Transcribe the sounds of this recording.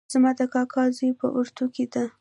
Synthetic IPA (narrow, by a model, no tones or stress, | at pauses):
zmɑd̪əkɑkʰɑzipə̰ʔuɾt̪ukid̪a